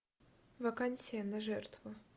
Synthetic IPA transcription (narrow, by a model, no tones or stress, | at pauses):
vɐkanʲsʲɪjənɐʐɛrt̪vʊ